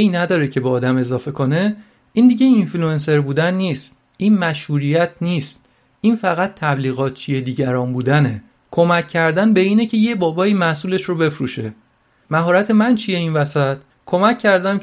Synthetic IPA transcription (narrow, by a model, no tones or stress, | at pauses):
jnæd̪ɒːɾecʰe̞beɒːd̪æme̞zɒːfe̞kʰo̞ne | iːnd̪iɟe̞influe̞nse̞ɾbuːd̪ænːiːst̪ | ʔiːnmæʃhuːɾijæt̪ʰniːst̪̚ | ʔiːnfæɣæt̪ʰːæbliːɣɒːt̪̚ʰt͡ʃʰije̞d̪iːɟæɾɒːnbuːd̪æne̞ | kʰo̞mæcʰːæɾd̪ænbe̞iːnecʰe̞je̞bɒːbɒːiːmæhsuːle̞ʃrobe̞fɾṵʃe̞ | mæɦɒːɾæt̪ʰe̞mænt͡ʃʰije̞iːnvæsæt̪ | kʰo̞mæcʰːæɾd̪æm